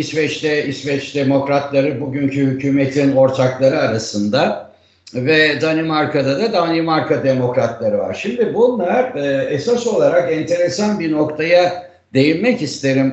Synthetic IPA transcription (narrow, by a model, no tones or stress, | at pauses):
isvɛt͡ʃlɛisvɛt͡ʃd̪emo̞kɾat̪lˠaɾɯbuɟyɲcʰyhycʰyːmet̪ʰino̞ɾt̪ʰaklˠaɾɯaɾasɯnd̪a | vɛd̪animaɾkʰad̪ad̪ad̪animaɾkad̪emo̞kɾat̪lˠaɾɯva̰ɾʃimd̪ibunlˠaɾɯesaso̞lˠaɾakɛnt̪ʰe̞ɾesanbiɾno̞kt̪ʰaja | d̪e̞jinmɛcist̪ʰe̞ɾim